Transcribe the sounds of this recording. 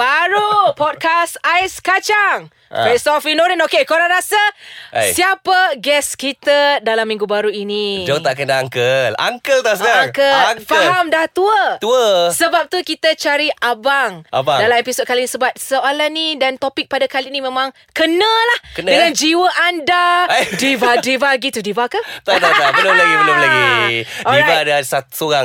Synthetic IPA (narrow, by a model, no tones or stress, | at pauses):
baɾupɔd̚kasajskat͡ʃaŋ | fesɔfinoɾənokekoɾanɾasasiapəɡɛskit̪adalamːĩŋɡubaɾuinid͡ʒaŋt̪aʔkandaaŋkəla̰ŋkəlt̪asaaŋkəfaɦamdaht̪uət̪uəsəbap̚t̪ukit̪ət͡ʃaɾiʔabaŋabaŋdalamepisɔd̚kalinisəbat̪̚səalanːidant̪opɪk̚padakalinimẽmãŋ | kənəlahkəndəŋand͡ʒiwəʔandadivadivaɡit̪udivakət̪at̪asabəlomlaɡibəlomlaɡiɔɾaadasat̪soɾaŋ